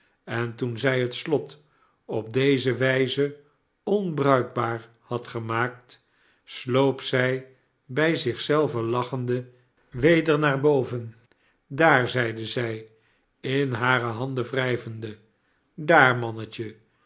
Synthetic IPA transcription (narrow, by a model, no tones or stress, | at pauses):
ɛntunzɛjɦətslɔt | ɔp̚dejzəʋɛjzə | ɔnbrœɥɡ̚baːɹ | hɑtχəmaːk̚t | slowpsɛj | bɛjzɪχsɛlˠvəlɑχəndə | ʋejdəɹnaːɹbowvən | daːɹzɛjdəzɛj | ɪnɦaːɾəɦɑndəvrɛjvəndə | daːɹmɑnəcə